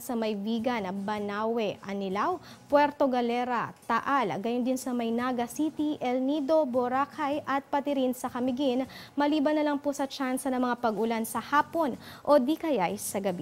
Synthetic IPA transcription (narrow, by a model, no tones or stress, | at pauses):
sɐmɐjviːɡɐnɐbɐnaːwɛʔɐnɪlaw | pwɛɾt̪oɡɐlɛɾɐt̪ɐʔalɐ̰ɡɐjond̪ɪnsɐmɐjnaɡɐsit̪iʔɛlnid̪o̞boɾaːkʰajʔɐt̪̚pɐt̪ɪɾɪnsɐkɐmɪɡinmɐliːbɐnːɐlɐŋposɐt͡ʃansɐnɐŋmɐŋapɐɡʊlansɐhaːpo̞nʔod̪ikɐjajsɐɡɐbi